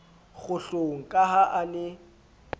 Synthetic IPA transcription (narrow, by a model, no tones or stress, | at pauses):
ɣʊɬoŋ̩kʼaɦaʔanɪ